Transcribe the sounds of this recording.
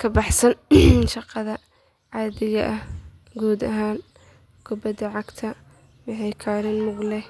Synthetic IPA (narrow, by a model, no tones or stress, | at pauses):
kʰɐbɑħsɐnʃɑqɑðɐ | ʕɑːðɪɣɐʔɐh | ɡuːd̪ɐɦaːn | kʰʊbɐd̪ɐʕɑɡt̪ʰɐ | wɑħɑjkʰaːɾɪnmʊɡlɛ